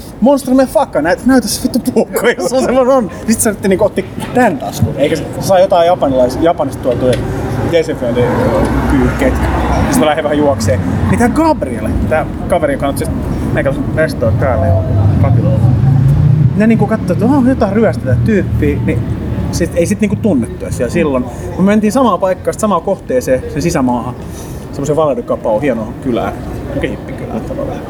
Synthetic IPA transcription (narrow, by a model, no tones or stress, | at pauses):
monst̪rɑmefɑkːɑnæt̪næyt̪æsːe̥pit̪ːæpuːkːoiosssemːononnisit̪sɑnt̪et̪ːiniŋkoot̪ːit̪ænt̪ɑ̰skṵeikæsssɑijot̪ɑijɑpɑnilɑisjɑpɑnist̪t̪uɑt̪uiɡeseføndikyːkːeit̪ist̪ælæheʋæhæjuɑkseːmit̪æɡɑbriḛlet̪æ | kɑʋeɾikɑnːot̪sist̪ | meˑkæosʋest̪oːt̪pæːlːˑḛkukɑt̪ilo̰lːɑ | neniːŋkukɑt̪ːoːt̪oːjot̪ɑiryæst̪et̪æt̪yːpːiːnisit̪eisit̪niːŋkut̪unːet̪ːuæsiælsilːonkummøment̪iːnsɑmɑːpɑikːɑːsit̪sɑmɑːkoht̪eːseːsensisæmɑːhɑ | semːoseʋɑledukɑpɑohiɛnokylæ̰ːokhipːiky̰læ̰ˑt̪ːɑʋɑ̰lːɑ̰